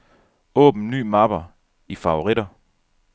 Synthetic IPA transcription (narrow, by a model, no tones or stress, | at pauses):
ɔ̰̽ːb̥n̩ny̰ːmɑb̥ɐ | ifɑ̈ʊoʁiɾ̥ɐ